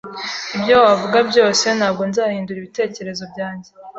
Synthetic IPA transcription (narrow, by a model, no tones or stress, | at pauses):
ibjowavuɡabɟo̞ːse̞nhaːbɡo̞nzaːhiːnduɾiβite̞ːce̞ɾe̞zo̞bɟaːɲɟe̞